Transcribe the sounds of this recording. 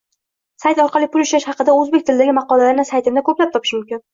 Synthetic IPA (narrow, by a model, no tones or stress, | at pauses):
sajt̪ɒɾqʰɑlˠijpʰʊlˠʊʃaʃhɑqɨd̪aɵzbe̞k̚ʲt̪ʰɪlɪd̪aɡʲɪmɑqɒlˠalaɾnɪsajt̪ʰɪmd̪akʰɵplap̚t̪ʰɒpʰɪ̥ʃmʊmkʲɪn